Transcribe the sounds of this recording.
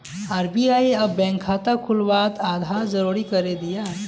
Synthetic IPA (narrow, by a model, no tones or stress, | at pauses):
aːɾbiaieɐbːɛ̃ːŋkʰːaːt̪akʰʊlbaːt̪aːd̪ʱaːɾd͡ʒəɾuɾikəɾed̪ijaɦɛ